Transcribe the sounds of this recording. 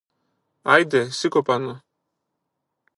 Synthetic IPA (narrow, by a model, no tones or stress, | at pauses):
ajd̪ɛsikɔpanɔ